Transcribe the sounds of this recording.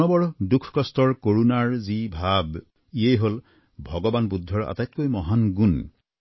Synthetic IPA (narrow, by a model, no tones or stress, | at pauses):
nɔbɔɹdukʰkɔstɔɹkoɹunaɹzibʱab | iejɦol | bʱɔɡɔbanbudʱːɔɹa̰tajt̚kojmɔɦanɡun